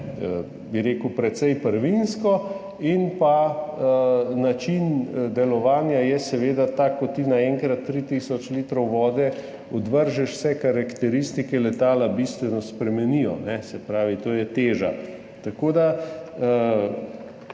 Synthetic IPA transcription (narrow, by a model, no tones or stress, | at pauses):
biɾeːkəwpɾɛt̪sɛjpəɾʋinskɔ | inpa | nat͡ʃind̪ɛlɔʋaːnjajɛsɛʋeːd̪at̪akːɔt̪ːinaɛŋkɾat̪ːɾit̪iːsɔt͡ʃlit̪ɾɔwʋɔːd̪ɛ | ɔd̪ʋəɾʒɛʃw̥sɛkaɾakt̪ɛɾist̪ikɛlɛt̪aːlabist̪ʋɛnɔspɾɛmɛnijɔ̰nɛsɛpɾaːʋit̪oːjɛt̪eːʒa̰ | t̪akoːd̪a